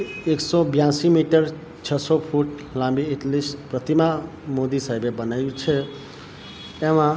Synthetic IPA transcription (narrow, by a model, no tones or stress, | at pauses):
eksɔbjãsimiʈəɾ | t͡ʃʰʌsɔpʰuʈlãmbiːʈlispɾət̪ima | mod̪isajbebənajt͡ʃʰe | emã